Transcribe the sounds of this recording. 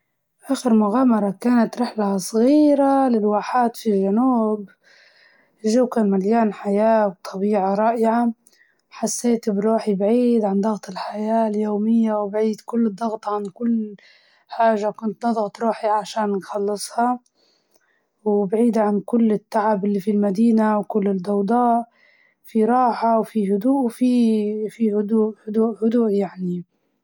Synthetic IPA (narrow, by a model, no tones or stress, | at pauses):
ʔaːxɪɾmʊɣaːmɑɾˤɑkaːnat̪ɾɪħlasˤɣiːɾalɪlwaːħaːt̪filʒanuːb | ʒuːkamaljaːnħajaːwt̪ˤʰɑbiːʕɑɾˤɑːʔɪʕa | ħasːeːt̪bɾuːħibʕiːd̪ʕand̪ˤɑɣt̪ˤɪlħajaːljoːmɪjːawbʕiːd̪kʊlːd̪ˤːɑɣt̪ˤɑʕankʊlː | ħaːʒakʊnt̪nɑðˤɣt̪ɾˤuːħiʕaʃaːnnxɑlːɨsˤhɑ | wbʕiːd̪ʕankʊlːɪt̪ːaʕabʔɪlːifilmad̪iːnawkʊlːɪd̪ɑwd̪ˤɑːʔ | fiɾˤɑːħawfihʊd̪uːʔwfifihʊd̪uːʔhʊd̪uːʔhʊd̪uːʔjaʕni